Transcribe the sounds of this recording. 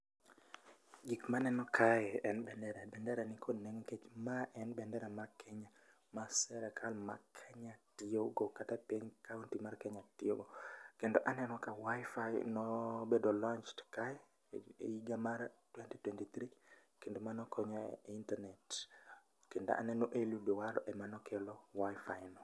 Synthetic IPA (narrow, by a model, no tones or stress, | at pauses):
ɡikmanɛnɔkʰajɛɛnbɛndɛɾabɛndɛɾanikʰoneŋket͡ʃmaʔɛnbɛndɛɾamakʰɛɲa | masɛɾɛkʰalma̰kʰɛɲatioɡokatapiɲkauntimarkɛɲatɪoɡokendoʔanɛnɔkawajfajnɔbedolɔnt͡ʃtkaɛ | ḛiɡamartwɛntitwɛntit̪ɾi | kendomanɔkʰɔɲɔintanɛt | kendo̰ʔa̰nɛnoʔelubiwaɾɔ̰ʔɛmanɔkʰelɔwajfajnɔ